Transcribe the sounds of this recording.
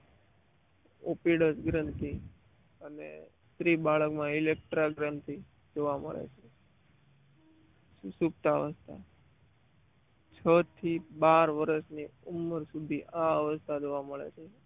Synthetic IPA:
opiɽəsɡɾənt̪i | ənḛst̪ɾibaɭəkmãilek̚ʈɾaɡɾənt̪i | d͡ʒoʋamə̰ɭḛt͡ʃʰe | sup̚t̪aəʋəst̪ʰa̰ | t͡ʃʰət̪ʰibaɾʋəɾəsniumːəɾsud̪ʱiʔaəʋəst̪ʰad͡ʒoʋaməɭḛt͡ʃʰe

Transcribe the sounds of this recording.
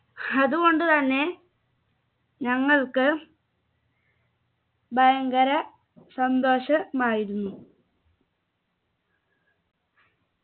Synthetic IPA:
ɐðuɣo̞ɳɖɨt̪ɐnːe̞ | ɲɐŋːɐɭkɨ | bʱɐjɐŋɡɐɾɐ | sɐnd̪o̞ːɕɐmaːjiɾunːu

